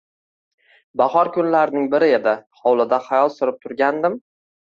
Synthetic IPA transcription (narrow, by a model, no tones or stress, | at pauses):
baχɒɾkʰʊnlaɾnɪŋbɪɾɪed̪ɪχɒwlˠɪd̪aχajɒlˠsʊɾɪp̚t̪ʰʊɾɡʲand̪ɪm